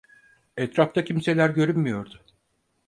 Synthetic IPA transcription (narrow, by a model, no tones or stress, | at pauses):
ɛt̪ɾaft̪ʰacʰimse̞lʲæɾɟø̞ɾymːyjo̞ɾd̪ʊ